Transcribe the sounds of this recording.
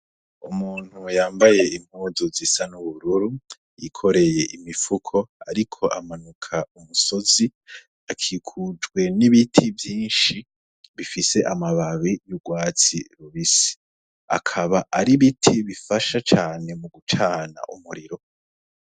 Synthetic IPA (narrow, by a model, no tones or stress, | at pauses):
umuːn̥hujaːmbaje̞im̥huːzozisanuβuɾuɾu | jikʰo̞ɾe̞je̞ʔimifukʰo̞aɾikʰo̞ʔamanukʰaumuso̞zi | akʰiːkʰud͡ʒɡwe̞niβitʰivjiːnʃi | βifise̞ʔamaβaβijuɡwaːt͡sḭɾuβisi̥ | a̰kʰaβaʔaɾiβitʰiβifaʃat͡ʃaːne̞muɡut͡ʃʰaːna̰ʔṵmuɾiɾo̞